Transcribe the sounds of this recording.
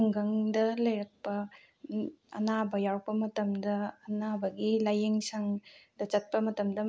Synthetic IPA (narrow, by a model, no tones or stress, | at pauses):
ŋɡɐŋdɐlɐjɾɐk̚pɐ | ɐ̰nabɐjawk̚pɐmɐtɐmdɐːnabɐɡilajeŋsɐŋdɐt͡ʃɐt̚pɐmɐtɐmdɐ